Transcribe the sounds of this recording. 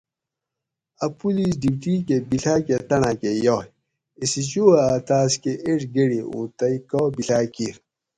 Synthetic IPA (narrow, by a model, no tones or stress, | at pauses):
apulis̬diptikebiɬaketanakejɔ | esit͡ʃuaataːskeʔeɾɡeɽiṵtajkɔbiɬakiɾ